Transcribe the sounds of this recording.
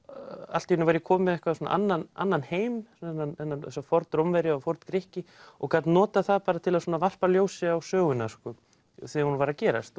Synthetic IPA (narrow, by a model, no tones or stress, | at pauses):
a̰l̥t̪ijnʏvaɾjɪkʰɔːmɪðɛhkvaðsuːna̰ʔanːana̰nːanheːjmnːanɛnːanɛsafɔɾt̪ɾowmvɛɾjɪɔfɔɾt̪kɾɪhcɪɔkʰat̪nɔːt̪aθaðpaːɾat̪ʰɪlasuːnavar̥paljoːwsɪawsœːɣʏnaskɔ | θɛːahunvaɾacɛːɾa̰st̪